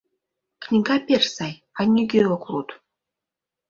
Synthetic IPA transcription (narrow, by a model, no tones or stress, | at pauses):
knʲiɡɑpʲersɑj | ɑnʲːiɡʲeokrut̪